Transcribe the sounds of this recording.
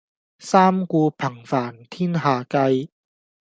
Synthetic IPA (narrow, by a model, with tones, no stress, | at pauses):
saː˥mkuː˧pʰɐ˨˩ŋfaː˨˩nt̪ʰiː˥nɦaː˨kɐ˧j